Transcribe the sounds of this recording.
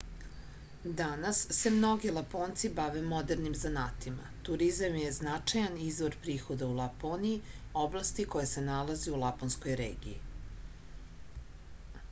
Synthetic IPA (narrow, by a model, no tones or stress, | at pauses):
d̪anasːe̞mno̞ɡilˠapoːnt̪sibaʋemo̞d̪eɾnimzanaːt̪ima̰t̪uɾizamjeznat͡ʃajanizʋoɾpɾiːxo̞d̪aulˠaponii | o̞blˠast̪iko̞jese̞nalˠazeulˠaponsko̞jɾḛːɡḭi